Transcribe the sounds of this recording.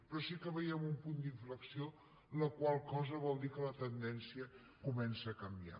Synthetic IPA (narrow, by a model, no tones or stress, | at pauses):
pɾɔsikəβəjɛmumpund̪iɱfləksio | ləkwalˠkɔzəβ̞ɔlˠd̪ikələt̪ənd̪ɛnsiə | kumɛnsəːkəmbia̰